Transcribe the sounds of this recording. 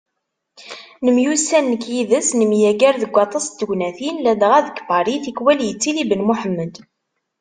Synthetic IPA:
nəmjusænːəkːjiðəsnəmjæɡæɾðəɡʷːɑt̪ˤɑsd̪əɡnæθinlæd̪ʁæðəkbɑɾiθikwæljət͡sːilibənmuħəmːəd̪

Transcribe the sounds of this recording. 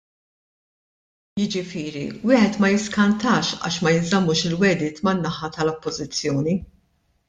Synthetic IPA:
jɪd͡ʒɪfɪːɾḭwɪːħɛt̪mɐjɪskɐnt̪ɐːʃɐ̰ːʃmɐjɪnzɐmːuːʃɪlwɛd̪ɪːt̪mɐnːɐħɐt̪ɐlɔpːɔzɪt͡sːjɔːni

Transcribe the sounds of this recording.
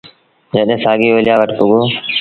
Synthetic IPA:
d͡ʒəɗɦẽːsaːɡiːʋolɪjaːʋəʈpʊɡoː

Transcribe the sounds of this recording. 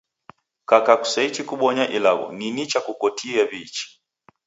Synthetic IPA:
kakaku̥sait͡ʃikuɓɔɲaʔilaɣɔ̰ninit͡ʃakukɔtʰiaβit͡ʃi̥

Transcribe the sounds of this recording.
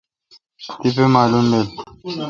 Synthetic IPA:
t̪ipemaːlumdel

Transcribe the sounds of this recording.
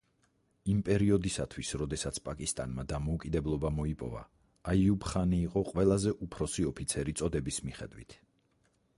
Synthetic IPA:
impʼɛɾiɔd̪isat̪ʰwisɾɔd̪ɛsat̪sʰpʼakʼist̪ʼanmad̪amɔukʼid̪ɛblˠɔbamɔipʼɔ̰va̰ː | iubχaniːqʼɔqʼwɛlˠazɛʔupʰɾɔsiɔpʰit̪sʰɛɾit̪sʼɔd̪ɛbismiχɛd̪wit̪ʰ

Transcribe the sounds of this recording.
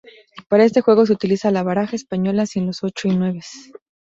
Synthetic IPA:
paɾae̞st̪e̞xwe̞ɣo̞s̬eut̪ilisalaβaɾaxaespaɲo̞lasinlo̞so̞t͡ʃo̞inwe̞βes

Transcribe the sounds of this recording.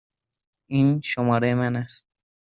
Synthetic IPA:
inʃomɒɾaemanast̪̚

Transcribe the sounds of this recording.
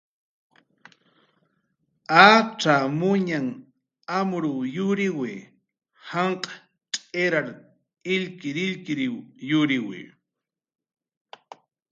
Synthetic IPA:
aʈ͡ʂamʊɲaŋ | amɾʊjʊɾɪwɪ | haɴqʼḁ | tʼeɾaɾ | ɪʎkɪɾɪʎkɪɾɪjʊɾɪwɪ̰

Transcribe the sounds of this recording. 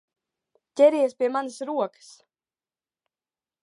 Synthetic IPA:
cʲɛɾiɛspʲiɛmanəsɾuɔkə̥s

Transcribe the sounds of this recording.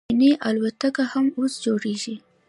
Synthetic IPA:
neʔalwat̪akahamosd͡ʒoɽeʒi

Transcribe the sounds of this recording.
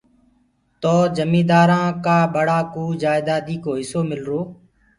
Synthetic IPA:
t̪oːd͡ʒəmĩːd̪aːɾãːkaːɓəɽaːkuːd͡ʒaːɪd̪aːd̪iːkoːɦɪsoːmɪlɾoː

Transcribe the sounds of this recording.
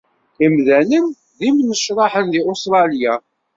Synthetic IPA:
imðænən | ðimnəʃɾˤɑħənðiost̪ɾˤɑlja

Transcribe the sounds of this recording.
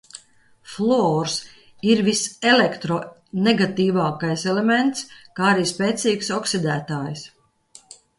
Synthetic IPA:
flˠɔːɾs | iɾvisɛlekt̪ɾɔ | neɡat̪iːvaːkajsɛlement̪skaːaɾiːspɛːt̪siːksɔksid̪æːt̪aːjs

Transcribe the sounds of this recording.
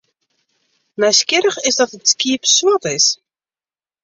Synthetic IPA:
mɛjskɪɾəχɪsdɔtətskiːpsuətɪs

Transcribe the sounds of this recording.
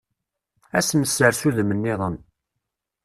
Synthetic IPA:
æsməsːəɾsuðmənːɪðˤən

